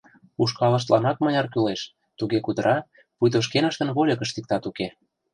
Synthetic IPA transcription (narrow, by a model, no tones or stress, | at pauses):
uʃkɑlə̆ʃ̬t̪lɑnɑk̚mɤ̆jʲɑrkyleʃ | t̪uɣekud̪əɾʔɑ | pujt̪oʃ̬kenə̆ʃt̪ə̆nβolʲɤ̆kə̆ʃt̪ik̚t̪ɑt̪uke